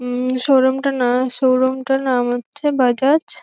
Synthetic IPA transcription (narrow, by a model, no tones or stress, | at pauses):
ʃowɾomʈanaʃowɾomʈaɾnamɦotːɕʰebad͡ʑat͡ɕ